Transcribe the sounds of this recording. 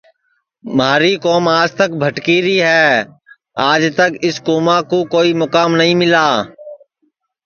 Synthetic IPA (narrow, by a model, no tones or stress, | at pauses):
maːɾiːkoːmaːd͡ʒt̪əkbʱəʈkiːɾiːɦɛː | aːd͡ʒt̪əkɪskoːmãːkoːkoːiːmʊkaːmnəɦĩːmɪlaː